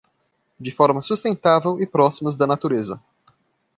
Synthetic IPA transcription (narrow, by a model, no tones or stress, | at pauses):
d͡ʒɪfɔɾmɐsust̪ẽnt̪avewɪpɾɔsimɐzd̪ɐnat̪uɾezɐ̰